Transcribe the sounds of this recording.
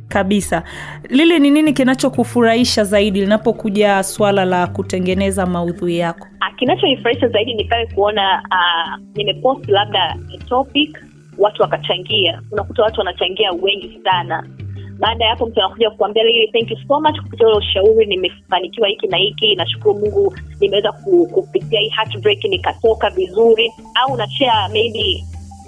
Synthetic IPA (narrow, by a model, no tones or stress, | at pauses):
kaɓisa | lilɛnininikinat͡ʃɔkufuɾaiʃazaiɗilinapɔkuʄaswalalakutɛŋɡɛnɛzamauðuijakɔ̥akinat͡ʃɔnifuɾahiʃazaiɗinipawɛkuɔnaanimɛpɔstlab̚ɗaɛtɔpik | watuwakat͡ʃaŋɡiaunakutawatuwanat͡ʃaŋɡiawɛŋɡisanaɓaːɗajapɔm̩tuanakuʄakuambialiliθɛŋkjusomat͡ʃku̥pitiaulɛuʃauɾinimɛfanikiwahikinahikinaʃu̥kuɾumuŋɡunimɛwɛzak̚ukupitiahiːhatbɾɛkinikatɔkavizuɾi | auunat͡ʃɛamejɓi